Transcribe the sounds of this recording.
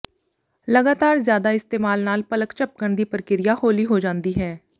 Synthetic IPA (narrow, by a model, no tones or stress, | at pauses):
ləɡaːt̪aːɾzjaːd̪aːɪst̪eːmaːlnaːlpələkt͡ʃəp̚kəɳd̪iːpəɾəkɪɾɪjaːhoːliːɦoːd͡ʒãːnd̪iːɦɛː